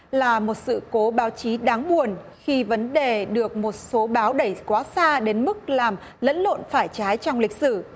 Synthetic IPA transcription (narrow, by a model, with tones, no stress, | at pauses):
laː˨˩mo˨˩t̚sɨ̰˧˨ko˨˦ɓaː˨˦wt͡ɕi˨˦ɗaː˨˦ŋɓu˨˩ən | xi˧və˨˦nɗe˨˩ɗɨ˨˩ək̚mo˨˩t̚so˨˦ɓaː˨˦wɗə˧˩jkwaː˨˦saː˧ɗe˨˦nmɨ˦˥k̚laː˨˩m | lə̰˧˥nlo̰˧˨nfaː˧˩jt͡ɕaː˨˦jt͡ɕɔ˧wŋ͡mlï˨˩k̟̚sɨ˧˩